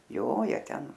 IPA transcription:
ˈjoː ˈjiɛ ˈtʲɛn

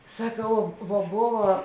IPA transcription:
sɐˈkɐʊ ʋoː ˈboːʋɐ

